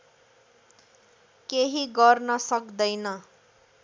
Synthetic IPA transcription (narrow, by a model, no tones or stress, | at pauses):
keɦiɡʌrnʌsʌkd̪ʌjnʌ